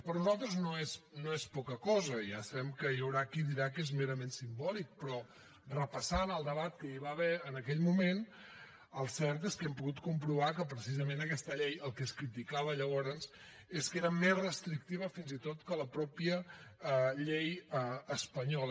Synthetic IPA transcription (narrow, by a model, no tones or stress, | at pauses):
pəɾnuzalˠt̪ɾəznoesnoespɔkəkɔzəjasəβɛmkəjəwɾakiðiɾakezmeɾəmensimbɔlik̚pɾɔ | rəpəsanəlˠd̪əβat̪̚kəiβaβɛənəkɛʎmumen | əlˠsɛɾt̪eskɛmpuɣut̪kumpɾuβakəpɾəsizəmẽnəkɛst̪əʎɛjəlˠkɛskɾit̪ikaβ̞əʎəβɔɾənz | eskeɾəmezrəst̪ɾik̚t̪iβ̞əfinzit̪ot̪kələpɾɔpiə | ʎejəːspəɲɔl